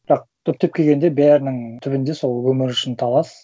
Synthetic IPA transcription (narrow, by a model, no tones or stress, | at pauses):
b̥ɪɾɑq̚t̪ʰɵp̚t̪e̞p̚kʲʰeɡʲend̪e̞bæɾnɪŋt̪ʰʏβɪnd̪e̞so̞lˠwɵmɪɾʏʃɪnt̪ʰɑlˠɑs